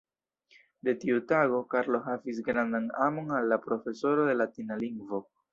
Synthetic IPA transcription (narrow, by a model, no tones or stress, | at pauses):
de̞tiutaɡo̞kaɾlo̞ɦavis̬ɡɾandanamo̞nalːapɾo̞fe̞so̞ɾo̞de̞latinaliŋɡvo̞